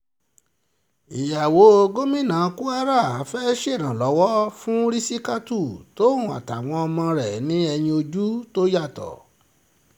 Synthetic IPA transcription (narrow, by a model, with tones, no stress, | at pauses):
i˨ja˨wo˨˦o˧ɡo˦mĩ˦˨nã˨˦˧ku˦a˦ɾa˦˨˦fɛ˦ʃe˦˨ɾ̃ã˨lɔ˨˦wɔ˦fũ˦ɾi˦si˦ka˦tu˦˨to˦ũ˨a̰˨ta˨w̃ɔ̃˧ɔ˧mã˧ɾɛ˨nĩ˦ɛ˧j̃ĩ˧o˧d͡ʒu˦to˦ja˦˨tɔ̰˨